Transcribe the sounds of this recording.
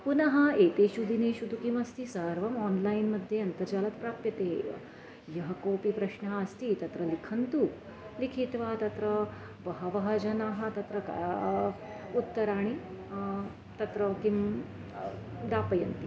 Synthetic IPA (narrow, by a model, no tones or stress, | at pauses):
punɐɦɐet̪eɕud̪ineɕud̪ukimɐst̪isəɾʋɐmɔnlainmɐd̪ʱjeɐnt̪ɐɾd͡ʒaːlɐt̪pɾaːpjɐt̪ḛ | jɐɦɐkoːpipɾɐɕnɐɦɐst̪it̪ɐt̪ɾɐlikʰɐnt̪u | likʰit̪ʋat̪ɐt̪ɾɐ | ʋɐɦɐʋɐɦɐd͡ʒɐnaːɦɐ̆t̪ɐt̪ɾɐka̰ | ut̪ːɐɾaːɽ̃i | t̪ɐt̪ɾɐkim | d̪aːpɐjɐnt̪i